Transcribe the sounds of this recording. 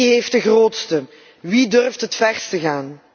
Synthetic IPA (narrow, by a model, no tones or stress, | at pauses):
ɦejft̚dəɣroːtstə | ʋidɵrftɦətfɛrstəɣaːn